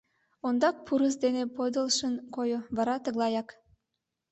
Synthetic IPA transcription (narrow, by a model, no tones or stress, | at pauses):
ond̪ɑk̚pʰuɾəsd̪enepod̪əlʃənkojoβɑɾɑt̪əɣlˠɑjɑk